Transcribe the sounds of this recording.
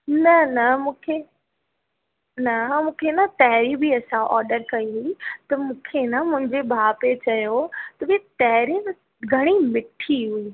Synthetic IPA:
nɐnɐmũːkʰe | nɐmũːkʰenat̪ɛɦɪɾibiɐsãʔɔːɾɖəɾkɐiɦit̪ɐmũːkʰenamʊ̃ɦɪ̃ɲd͡ʑebʱaːpet͡ɕɐjot̪ɐʋiet̪ɛɦɾin | ɡʱɐɽ̃imɪʈʰiɦuiː

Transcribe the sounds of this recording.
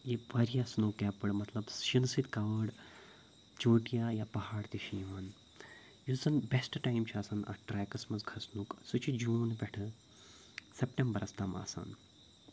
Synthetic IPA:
jeʋɐɾjaːsnoːkjapɨɽmɐt̪lɐbʃinsit̪kɐʋəɽ | t͡ʃoːʈijaːjapɐɦaːɽt̪iʃiːʋaːn | jusɐnbesʈʈaːjimt͡ʃʰaːsɐnɐ̰ʈɾaːjkɐsmɐzɡʱɐsnuksut͡ʃʰid͡ʒuːnbʲeʈʰɨ | sepʈʲembɐɾɐst̪ama̰ːsa̰n

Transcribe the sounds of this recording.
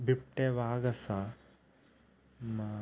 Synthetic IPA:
bipʈeʋaːɡɐsa | m

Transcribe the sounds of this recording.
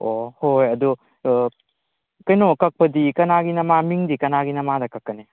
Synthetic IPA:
ohojɐdu | kɐjnɔkɐk̚pɐdikɐnaɡinɐmamiŋdikɐnaɡinɐmadɐkɐkːɐne

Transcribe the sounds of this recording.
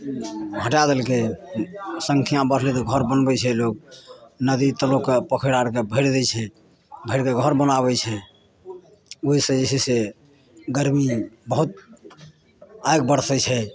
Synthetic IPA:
ɦəʈad̪elke | səŋkʰijãbəɾ̤ɦlit̪ɔɡʱəɾbənbɛt͡ʃʰɛlok̚nəd̪it̪əlokepəkʰəɾaɾkebʱəɽd̪ɛt͡ʃʰɛ | bʱəɪɽkeɡʱəɾbənaβɛt͡ʃʰɛ | oɦisə̃d͡ʒesise | ɡəɾmibəɦut̪̚ | ajɡ̚bəɾsɛt͡ʃʰɛ

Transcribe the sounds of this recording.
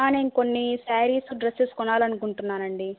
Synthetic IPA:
aːneːnko̞nːisaːɾiːsuɖɾeseskɔnaːlɐnukuɳʈunːaːnɐɳɖi

